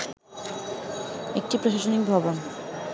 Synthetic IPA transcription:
ek̚ʈipɾoʃaʃonik̚bʱɔbon

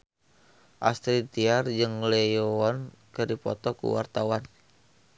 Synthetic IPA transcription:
ʔast̪ɾit̪iard͡ʒɨŋlejoɔn | kɨrdipɔ̰t̪ɔkṵwa̰rt̪awan

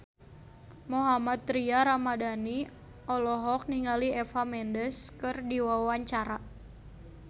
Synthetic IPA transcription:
moɦamat̪̚ːɾiaɾamadani | ɔlɔɦɔk̚niŋaliɛfamɛndəskɨrdiwawaɲt͡ʃaɾa

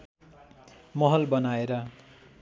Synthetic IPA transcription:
mʌɦʌlbʌnaeɾʌ

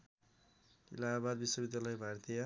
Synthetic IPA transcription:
ḭlabad̪biswʌbid̪jalʌjbʱaɾt̪ʰija

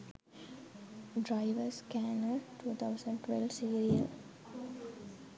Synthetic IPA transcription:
ɖɾaɪʋəɾskænəlʈuːt̪ʰaʊsə̃ɳɖʈʋɛlʋsiːɾiə̰l

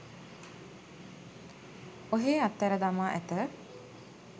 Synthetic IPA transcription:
oɦeːat̪ːæɾəd̪amaːʔæ̰t̪ə

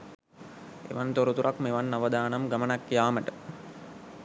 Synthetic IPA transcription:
ḛʋɐnt̪oɾut̪uɾʔakmeʋɐnːaʋɐd̪aːnɐmɡɐmɐnɐkːjaːməʈə

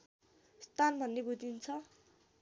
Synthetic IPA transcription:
st̪anbʱʌnːebud͡zint͡sʰʌ

